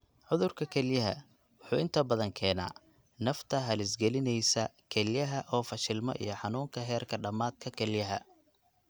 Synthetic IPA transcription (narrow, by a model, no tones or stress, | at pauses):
ʕʊðʊrkʰɐkʰɛljɐɦɐ̰ | wʊħuːɪnt̪ʰɐbɐðɐŋkʰɛːna̰ː | nɐft̪ʰɐɦɐlɪsɡɛlɪnɛjsɐkʰɛljɐɦɐʔɔːfɐʃɪlmɔ̰ʔḭjɞħɑnuːŋkʰɐɦɛːrkʰɐɖɐmaːd̪̚kʰɐkʰɛljɐɦɐ